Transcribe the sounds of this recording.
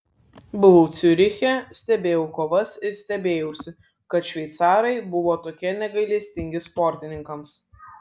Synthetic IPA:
bʊʋoʊt̪sʲʊɾʲɪxʲɛsʲt̪ʲɛbʲeːjɛʊkoːʋɐsɪɾsʲt̪ʲɛbʲeːjɛʊsʲɪ | kɐt̪ʃʲʋʲɛɪt̪sɑːɾɐɪbʊʋoːt̪oːkʲiɛnʲɛɡɐɪlʲiːsʲt̪ʲɪŋʲɡʲɪspɔɾʲt̪ʲɪnʲɪŋkɐms

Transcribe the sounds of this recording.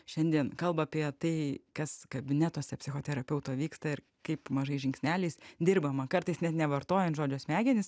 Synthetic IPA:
ʃʲɛnʲd̪ʲiɛnkɐlˠbɐːpʲiɛt̪ɐɪkɐskɐbʲɪnʲɛt̪oːsʲɛpʲsʲɪxoːt̪ʲɛɾɐpʲɛʊt̪oːʋʲiːkst̪ɐɪr | kɐɪpmɐʒɐɪʒʲɪŋksʲnʲæːlʲɛɪsd̪ʲɪrbɐmɐkɐrt̪ɐɪsnʲɛt̪nʲɛʋɐɾt̪oːjɛnt̪ʒoːd͡ʒʲoːsmʲæːɡʲɪnʲɪs

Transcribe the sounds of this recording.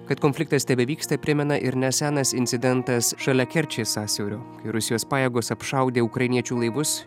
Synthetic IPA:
kɐt̪koːnfʲlʲɪkt̪ɐst̪ʲɛbʲɛʋʲiːkst̪ɐpʲɾʲɪmʲɛnɐʔɪɾnʲɛsʲæːnɐsɪnʲsʲɪd̪ʲɛnt̪ɐsʃɐlʲɛkʲɛɾʲt͡ʃʲeːsɑːsʲɛʊɾʲoːkɐɪɾʊsʲɪjoːspɑːjeːɡoːsɐpʃɐˑʊd̪ʲeːuːkɾɐɪnʲiɛt͡ʃʲuːlˠɐɪʋʊs

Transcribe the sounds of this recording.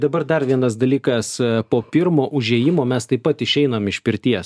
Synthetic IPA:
d̪ɐbɐrd̪ɐɾʋʲiɛnɐsd̪ɐlʲiːkɐspoːpʲɪɾmoːʔʊʒʲeːjɪmoːmʲɛst̪ɐɪpɐt̪ɪʃʲɛɪnɐmɪʃpʲɪɾʲt̪ʲiɛs

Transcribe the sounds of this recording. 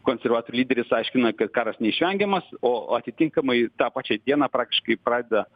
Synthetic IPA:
koːnʲsʲɛrʋɑːt̪oːɾʲulʲiːd̪ʲɛɾʲɪsɐɪʃʲkʲɪnɐkɐt̪kɑːɾɐsnʲɛiʃʲʋʲɛŋʲɡʲɛmɐsoːɐt̪ʲɪt̪ʲɪŋkɐmɐɪt̪ɑːpɑːt͡ʃʲɛd̪ʲiɛnɑːpɾɑːk̚t̪ʲɪ̥ʃkɐɪpɾɑːd̪ʲeɛd̪ɐ

